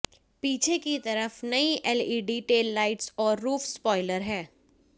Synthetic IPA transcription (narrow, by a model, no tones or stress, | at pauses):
piːt͡ʃʰekit̪ɐɾəfnɐiʔɛliːɖiːʈeːlːaːɪʈsɔːɾːuːfsspɔːɪləɾɦɛː